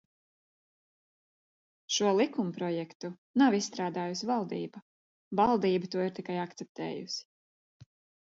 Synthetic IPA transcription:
ʃuɔlˠikumpɾɔjɛkt̪u | nawisːt̪ɾaːd̪aːjusʲvalˠd̪ḭːbɐ | valˠd̪iːbut̪uɔiɾt̪ikajakt̪sɛp̚t̪ɛ̰ːjṵsi̥

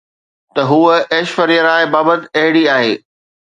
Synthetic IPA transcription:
t̪ɐɦuːəeːʃfɐɾijəɾaːɪbaːbət̪ɪɐɦɪɽiaːɦeː

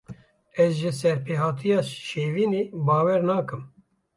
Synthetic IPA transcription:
ɛzʒɪsɛɾpʰeːɦɑːt̪ʰijɑːʃeːviːneːbɑːwɛɾnɑːkɨm

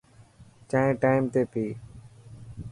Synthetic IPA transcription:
t͡ʃãːɦẽːʈaːɪmt̪eːpiː

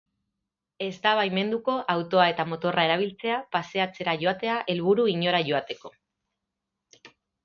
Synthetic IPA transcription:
e̞zt̪aβajme̞nd̪uko̞ʔawt̪o̞ae̞t̪amo̞t̪o̞rʔae̞ɾaβ̞ilt͡se̞apase̞at͡se̞ɾaʝo̞at̪e̞aʔe̞lβuɾuiɲo̞ɾaʝo̞at̪e̞ko̞

